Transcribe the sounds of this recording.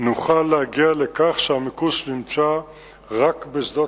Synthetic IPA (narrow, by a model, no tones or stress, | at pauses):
nuχalːeaɡialekaχʃeamikusnimt͡sa | ʁakbezd̪o